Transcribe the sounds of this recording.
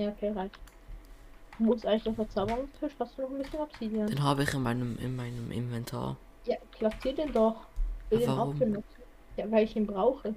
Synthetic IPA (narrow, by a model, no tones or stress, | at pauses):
jaːokʰeːʁaɪç | dumʊmstʔaɪɡŋlɪçdafɛɐt͡saʊbəʁʊŋstʰɪʃhastd̥uːnɔχn̩bɪsçənapsidiɐdenɦaːbəɪçɪnmaɪnəmɪ̰nmaɪnəmʔɪ̰nvɛntʰa̰ːɐ | jaːkʰl̥asiːɐdeːndɔχv̥ɪldeːʔaʊfɡ̥ənɔsn̩ | jaːvaɪlɪçiːnbʁaʊxə